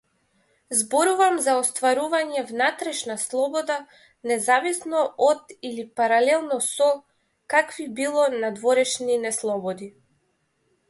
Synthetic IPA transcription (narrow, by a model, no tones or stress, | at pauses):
zbɔɾuvamzaɔst̪vaɾuvaɲɛvnat̪ɾɛʃnaslˠɔbɔd̪a | nɛzavisnɔɔd̪ilipaɾalɛlˠnɔsɔ | kakvibilˠɔnad̪vɔɾɛʃninɛslˠɔbɔd̪i